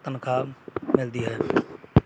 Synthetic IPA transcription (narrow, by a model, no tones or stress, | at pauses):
t̪ənkʰamɪld̪iɦɛː